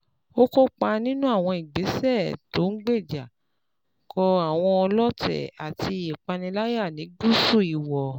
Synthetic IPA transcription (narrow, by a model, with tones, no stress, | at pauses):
o˦ko˦k͡pa˧nĩ˦nũ˦a˦˨w̃ɔ̃˧i˨ɡ͡be˨˦sɛ˦˨to˨˦ŋ̩˦ɡ͡be˦˨d͡ʒa˨ | kʰɔ˧a˨w̃ɔ̃˧ɔ˧lɔ˦tɛ̰˨a˨ti˧˨e˨k͡pa˧nĩ˧la˦ja˦˨nĩ˨˦ɡu˦su˦˨i˨wɔ˨